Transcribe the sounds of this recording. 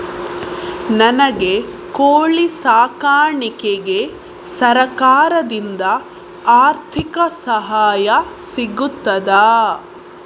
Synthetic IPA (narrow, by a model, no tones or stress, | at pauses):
nɐnɐɡe̞koːɭisaːkaːɳikeɡe̞ | sɐɾɐkaːɾɐd̪ind̪ɐ | aːɾt̪ʰikɐsɐɦaːjɐsiɡut̪ːɐd̪aː